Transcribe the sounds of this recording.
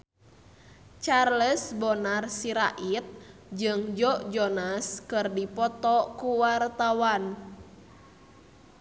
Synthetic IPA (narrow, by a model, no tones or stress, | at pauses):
t͡ʃarləsbɔnarsiɾaʔit̪̚d͡ʒɨŋd͡ʒɔʔd͡ʒɔnaskɨrdipɔt̪ɔkuwart̪awan